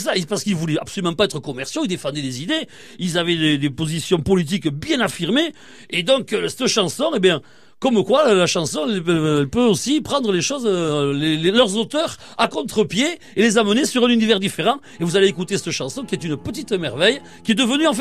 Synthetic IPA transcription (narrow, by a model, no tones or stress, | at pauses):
saipaʁsə̥kilvulɛa̰psolymɑ̃paɛt̪χəkɔmɛʁsjoild̪efɑ̃d̪ɛd̪ezid̪e | ilzavɛd̪ed̪epozisjɔ̃pɔlit̪̬ikbjɛ̃nafiʁme | ed̪ɔ̃ksɛt̪əʃɑ̃sɔ̃ebjɛ̃ | kɔmkwalaʃɑ̃sɔ̃ɛlɛlpøosipχɑ̃nd̪ʁəleʃɔzlelelœʁzot̪œʁakɔ̃t̪χəpje | elezamənesyʁɛ̃nynivɛʁd̪ifeʁɑ̃ | evuzaleekut̪esɛt̪əʃɑ̃sɔ̃kʲiɛt̪ynəpət̪̬it̪əmɛʁvɛj | kʲiɛd̪əvənyɑ̃f